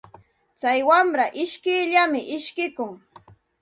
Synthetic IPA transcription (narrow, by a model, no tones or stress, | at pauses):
t͡sajwamɾaʔɪʃkɪjʎamɪʔɪʃkɪkʊŋ